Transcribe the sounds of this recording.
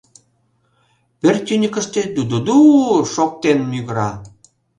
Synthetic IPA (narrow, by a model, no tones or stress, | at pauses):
pert̪ʲynʲəkə̆ʃt̪ed̪ud̪od̪uʃok̚t̪enmyɣɾɑ